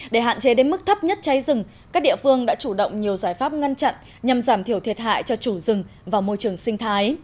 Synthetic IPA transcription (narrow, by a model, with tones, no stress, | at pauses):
ɗe˧˩ɦa̰ː˧˨nt͡ɕe˨˦ɗe˨˦nmɨ˦˥k̚t̪ʰə˦˥p̚ɲə˦˥t̚t͡ɕa˨˦jzɨ˨˩ŋ | kaː˦˥k̚ɗḭ˧˨əfɨ˧əŋɗa̰ː˧˥t͡ɕu˧˩ɗə̰˧˨wŋ͡mɲi˨˩əwzaː˧˩jfaː˦˥p̚ŋa˧nt͡ɕa̰˧˨n | ɲa˨˩mzaː˧˩mt̪ʰi˧˩əwt̪ʰi˨˩ət̚ɦa̰ː˧˨jt͡ɕɔ˧t͡ɕu˧˩zɨ˨˩ŋ | vaː˨˩wmo˧jt͡ɕɨ˨˩əŋsï˧ŋ̟t̪ʰaː˨˦j